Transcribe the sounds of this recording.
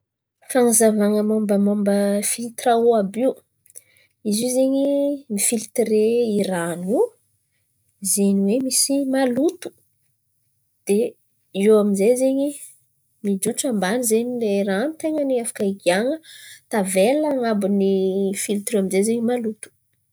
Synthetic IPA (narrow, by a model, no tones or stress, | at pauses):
faŋazavaŋəmombəmombəfilt̪ɾauabiu | izizeɲimifilt̪reiranu | zeɲiwemisimalut̪u̥ | d̪̥e | iwaminzejzeɲi | mid͡ʒut͡sambanizeɲileiɾanit̪eŋəniafḁkaiɡiaŋət̪avelːaŋabunifilt̪ɾeaminzezeɲimalut̪u̥